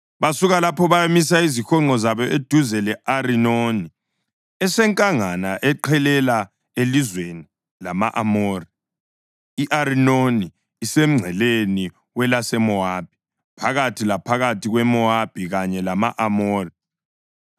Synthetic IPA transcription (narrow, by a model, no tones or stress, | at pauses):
βasuɣalapʰɔβajamis̬aizixɔŋ͡ǃɔzaβɔʔed̥ʱuzɛlɛʔarinoni | ɛsɛŋkʼaŋanaʔɛǃʰɛlɛla | elizweni | lamaʔamoːri | iʔaɾinoniː | sem̩ŋ͡ǀʱɛleni | wɛlasɛmɔab̥̚ʱi̥ | pʰaɣatʰilapʰaɣatʰiɣwɛmɔab̥ʱiɣaɲɛlama̰ʔamoːri